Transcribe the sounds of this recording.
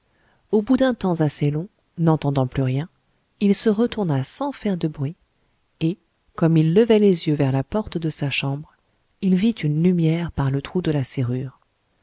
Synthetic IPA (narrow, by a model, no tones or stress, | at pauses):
obud̪ɛ̃t̪ɑ̃zaselɔ̃ | nɑ̃t̪ɑ̃d̪ɑ̃plyʁjɛ̃ | ilsəʁət̪uʁnasɑ̃fɛʁd̪əbʁɥi | e | kɔmilːəvɛlezjøvɛʁlapɔʁt̪d̪əsaʃɑ̃bʁ | ilvit̪ynlymjɛʁpaʁlət̪χud̪əlaseʁyːʁ